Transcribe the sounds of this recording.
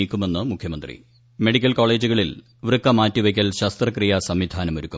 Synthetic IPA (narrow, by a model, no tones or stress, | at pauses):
iːkʲːume̞nːɨmukʰjɐmɐnd̪rḭ | me̞ɽikʲːɐlko̞ːɭe̞ːd͡ʑuɣɐɭil | ʋrɨkːɐmaːtːiʋɐkʲːɐlɕɐst̪rɐkrijasɐmʋid̪ʱaːnɐmoɾukʲːum